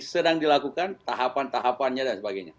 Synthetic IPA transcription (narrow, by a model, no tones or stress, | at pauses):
sədaŋdilakukant̪aɦapant̪aɦapanɲadansəbaɡajɲa̰